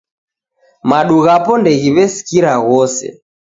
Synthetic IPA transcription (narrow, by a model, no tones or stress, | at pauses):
maɗuɣapɔndɛɣiβɛsi̥kiɾaɣɔsɛ̰